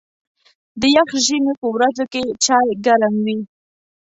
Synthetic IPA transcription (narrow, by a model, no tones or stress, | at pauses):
d̪əjaxʒəmepəwɾad͡zoket͡ʃɑjɡaɾamwi